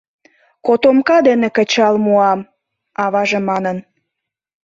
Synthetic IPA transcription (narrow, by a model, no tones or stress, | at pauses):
kot̪omkɑd̪enekə̆t͡ɕɑlmuɑm | ɑβɑʒemɑnən